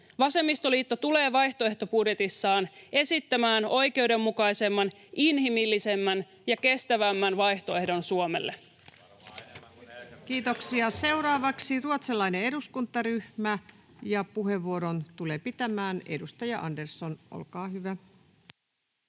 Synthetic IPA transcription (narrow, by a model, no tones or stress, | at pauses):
ʋɑse̞mːist̪o̞liːt̪ːot̪ule̞ːʋɑjht̪o̞e̞ht̪o̞pudjet̪isːɑːne̞sit̪ːæmæːno̞jke̞wde̞mːukɑjse̞mːɑn | inɦimilːise̞mːæn | jɑke̞st̪æʋæmːænʋɑjht̪o̞e̞hdo̞nsuome̞̰lːe | kiːt̪oksiɑse̞uwɾɑːʋɑksiruot̪selːɑinee̞duskunt̪ːˑɑryhmæ | jɑpuɦe̞ʋːuoɾont̪ule̞ːpit̪æmæːne̞̰dust̪ɑjɑʔɑndersːonʔo̰lkɑːɦyʋæ